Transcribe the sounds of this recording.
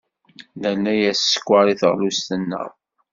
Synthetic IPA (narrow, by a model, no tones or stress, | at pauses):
lælːæjæsːə̥kʷːaɾˤiθʁlust̪ənːə̰ðˤ